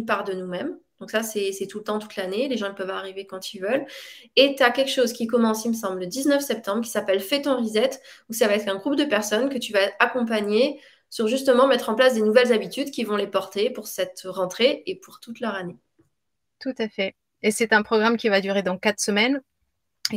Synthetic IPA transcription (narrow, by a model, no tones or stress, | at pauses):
npaʁd̪ənumɛmd̪̥ɔ̃ksasɛsɛt̪ulət̪ɑ̃t̪u̥t̪laneleʒɑ̃ilpœvaʁivekɑ̃t̪ilvœlet̪yakʲɛlkʃozkʲikɔmɑ̃siməs̬ɑ̃bləd̪iznœfsɛp̚t̪ɑ̃bʁkʲi̥sapɛlfɛt̪ɔ̃ʁizɛt̪usavaɛt̪χɛ̃ɡʁup̚d̪əpɛʁsɔnkət̪yvaakɔ̃p̬aɲe | syʁʒyst̪əmɑ̃mɛt̪χɑ̃plasd̪enuvɛlzabit̪yd̪kʲivɔ̃lepɔʁt̪epuʁsɛt̪ʁɑ̃t̪χeepuʁt̪ut̪lœʁane | t̪ut̪afɛ | esɛt̪ɛ̃pχɔɡʁamkʲivad̪yʁed̪ɑ̃kat̪χsəmɛn